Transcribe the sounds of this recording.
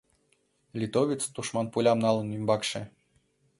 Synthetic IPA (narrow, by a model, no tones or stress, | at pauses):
lʲit̪ovʲit͡sd̪uʃmɑnpulʲɑmnɑlˠə̆nymbɑkʃĕ